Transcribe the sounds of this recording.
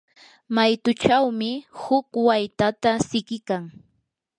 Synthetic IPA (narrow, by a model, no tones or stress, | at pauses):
majt̪ʊt͡ʃawmɪhʊkwajt̪at̪asɪkɪkaŋ